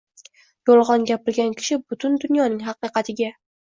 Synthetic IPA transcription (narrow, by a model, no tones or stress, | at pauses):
jolˠʁɒnɡʲapɪɾɡʲankʲʰɪ̥ʃɪbʊt̪ʰʊnd̪ʊnjɒnɪŋɦɑqɨqɑt̪ʰɪɡʲa